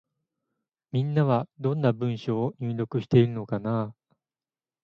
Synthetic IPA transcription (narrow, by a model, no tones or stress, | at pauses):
mʲĩnːaβad̪õ̞nːabɯ̟̃ɰ̃ɕoːɲ̟ɨːɾʲo̞kɯ̟ɕi̥t̪e̞iɾɯ̟no̞kana